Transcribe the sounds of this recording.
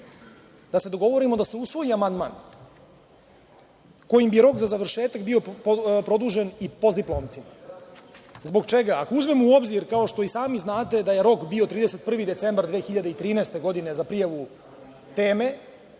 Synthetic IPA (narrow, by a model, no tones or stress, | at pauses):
d̪ase̞d̪o̞ɡo̞ʋo̞ɾimo̞d̪ase̞usʋo̞jiamand̪ma̰ːn | ko̞jimbijɾo̞kzazaʋr̩ʃe̞ːt̪akbio̞pɾo̞d̪uːʒenipo̞zd̪iplˠo̞ːmt̪sima | zbo̞ɡt͡ʃe̞ɡaːkouzme̞muo̞bziɾkao̞ʃt̪o̞isaːmiznaːt̪e̞d̪aje̞ɾo̞kbio̞t̪ɾiːd̪ese̞t̪̚pr̩ʋid̪e̞t̪se̞mbaɾd̪ʋe̞ːxiʎad̪eit̪ɾiːnɛːst̪e̞ɡo̞d̪ine̞zapɾijaʋu | t̪e̞ːme̞